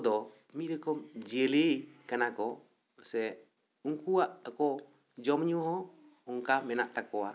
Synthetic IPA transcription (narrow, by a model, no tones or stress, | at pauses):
dɔ | miɾɛkɔmd͡ʒelejkanakɔ | sɛ | uŋkuaʔakɔ | d͡ʒɔmɲuɦɔ | uŋkamɛnaʔt̪akɔa